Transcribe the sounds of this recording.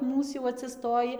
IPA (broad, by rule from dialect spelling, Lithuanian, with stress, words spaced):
ˈmuːs jɛʊ ɐtʲsʲɪˈstoːjɪ